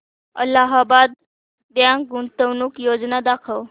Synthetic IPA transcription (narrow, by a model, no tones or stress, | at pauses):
ə̰laɦabad̪̚ː | jãɡuɳt̪əʋnuːkjod͡znad̪akʰəw